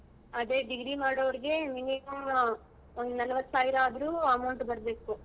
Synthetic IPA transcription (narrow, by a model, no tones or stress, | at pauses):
ɐd̪e̞ːɖiɡɾimaːɽɐʋɐɾiɡe̞minimɐm | ond̪unɐlɐʋɐt̪ːsaːʋiɾaːd̪ɐɾuːɐmɐwɳʈbɐɾbeːku